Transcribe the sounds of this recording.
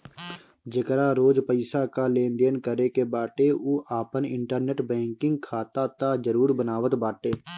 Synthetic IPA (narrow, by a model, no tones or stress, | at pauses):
d͡ʒəkɾaːɾoːd͡ʒpəɪsakaːlẽːnd̪eːnkəɾekebaːʈeuːʔaːpənɪ̃ɳʈəɾneʈbɛ̃ːŋkɪ̃ŋɡkʰaːt̪at̪aːd͡ʒəɾuːɾbənaːʋət̪baːʈeː